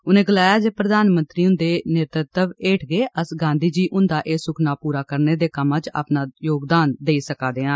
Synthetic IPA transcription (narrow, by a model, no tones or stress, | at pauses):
ʊnẽːɡəlaːjaːd͡ʒeːpɾəd̪aːnmənt̪ɾiːʊ̃nd̪eːneːt̪ɾət̪əʋeːʈʰɡeːʔəsɡãːnd̪iːd͡ʒiːʔʊnd̪aːʔeːsʊkʰnaːpuːɾaːkəɾneːd̪eːkəmãːt͡ʃa̰ːpnaːjoːɡd̪aːnd̪eːiːsəkaːd̪eːãː